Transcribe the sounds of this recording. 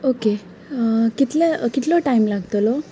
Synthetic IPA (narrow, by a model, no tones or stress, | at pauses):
oke | kit̪lekit̪lɔʈaimlaɡt̪olɔ